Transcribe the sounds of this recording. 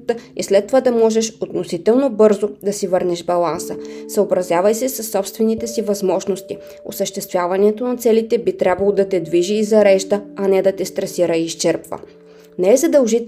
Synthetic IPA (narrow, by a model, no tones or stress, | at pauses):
t̪əislɛt̪ːovad̪ɐmɔʒɛʃot̪nosit̪ɛlˠnobɤɾzod̪ɐsivɤɾnɛʃbɐlˠansəsəobɾɐzʲjavəjsɛsɐsːɔpst̪vɛnit̪ɛsivɐzmɔʒnost̪i | o̰səʃt̪ɛst̪vʲjavɐnɛt̪onɐt̪sɛlit̪ɛbit̪ɾʲabvɐlˠod̪ɐt̪ɛd̪viʒiːzɐɾɛʃd̪əɐnɛd̪ɐt̪ɛst̪ɾɐsiɾəiʃt͡ʃɛɾpvə̰ | nɛɛzɐd̪əlˠʒit̪